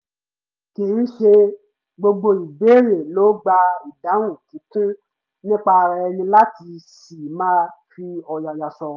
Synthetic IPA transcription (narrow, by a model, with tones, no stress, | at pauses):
ke˨˦n̩˦ʃe˧ | ɡ͡bo˧ɡ͡bo˧i˨be˨˦ɾe˨lo˨˦ɡ͡ba˧i˨da˨˦wũ˦˨tĩ˨˦tũ˦ | nĩ˦k͡pa˧ɾɛ˧˨ɛ˧nĩ˧la˦ti˧si˨mã˦fi˧ɔ˧ja˨ja˨sɔ˧